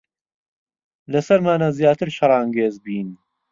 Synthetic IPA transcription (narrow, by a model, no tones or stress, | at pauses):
lɐsɐɾmaːnaːzjaːt̪ʰɨɾʃɐɾˤɑːŋɡeːzbiːn